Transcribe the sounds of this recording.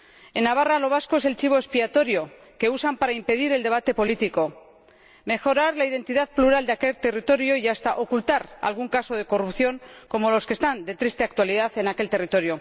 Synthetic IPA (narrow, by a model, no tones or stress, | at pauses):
e̞nːaβ̞aralo̞β̞asko̞e̞se̞lt͡ʃiβo̞espiat̪o̞ɾjo̞ | ke̞usampaɾaimpe̞ðiɾe̞ld̪e̞β̞at̪e̞po̞lit̪iko̞ | me̞xo̞ɾaɾlaið̞e̞nt̪iðaðpluɾald̪eake̞lt̪e̞rit̪o̞ɾjo̞iast̪aʔo̞kult̪aɾa̰lɣ̞uŋkaso̞ð̞e̞ko̞rupθjo̞ŋko̞mo̞lo̞ske̞st̪and̪e̞t̪ɾist̪e̞ak̚t̪waliðaθe̞nake̞lt̪e̞rit̪o̞ɾjo̞